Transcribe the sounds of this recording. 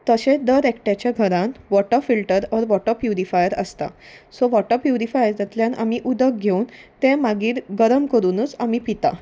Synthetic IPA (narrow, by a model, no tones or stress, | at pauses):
t̪əɕẽd̪əɾɛkʈjat͡ɕjaɡʱəɾãnʋɔʈəfilʈəɾɔɾʋɔʈəpjunifajəɾə̰st̪a̰sɔʋɔʈəpjuɾifajəɾd͡zat̪ljãna̰miʔud̪ək̚ɡʱeuːnt̪ẽmaɡiːɾɡəɾəmkəɾuːnut͡samipit̪a̰